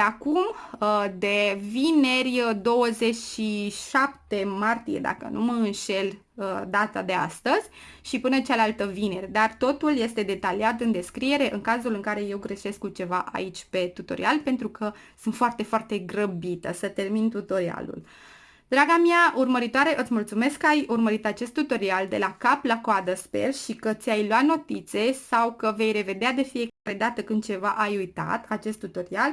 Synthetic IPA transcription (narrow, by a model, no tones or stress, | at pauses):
akumd̪e̞vine̞rʲd̪o̞wəze̞t͡ʃʲʃiʃapt̪e̞mart̪ije̞̰d̪a̰kə̰numəɨnʃe̞l | əd̪at̪ad̪e̞a̰st̪əzʲ | ʃipɨnət͡ʃalalt̪əvine̞rʲd̪art̪o̞t̪ulje̞st̪e̞d̪e̞t̪aliat̪ɨnd̪e̞skɾie̞ɾe̞ʔɨŋkazulɨŋkaɾe̞je̞wɡɾe̞ʃe̞skut͡ʃe̞vaʔa̰it͡ʃʲpe̞t̪ut̪o̞̰ɾḭalpe̞nt̪ɾukʰə | sɨnt̪foart̪e̞foart̪e̞ɡrəbit̪əsət̪e̞rmint̪ut̪o̞ɾia̰lṵl | d̪ɾaɡamiaʔurməɾit̪oaɾe̞ʔɨt̪sʲmult̪sume̞skːəajurməɾit̪at͡ʃe̞st̪ːut̪o̞ɾiald̪e̞lakaplakoad̪əspe̞̰rʃikət̪sʲajloat̪no̞t̪it̪se̞sawkəve̞jɾe̞ve̞d̪ead̪e̞fie̞kaɾe̞d̪at̪əkɨnd̪̚t͡ʃe̞vaʔajujt̪a̰t̪at͡ʃe̞st̪ːut̪o̞ɾial